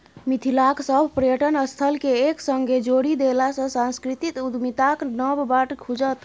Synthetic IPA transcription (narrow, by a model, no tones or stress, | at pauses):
mit̪ʰilaksəbʱpɾəjəʈənəst̪ʰəlkeːksəŋɡed͡ʒoɽid̪elasə̃sãnskɾit̪it̪ud̪mit̪aknəbbaʈkʰud͡ʒət̪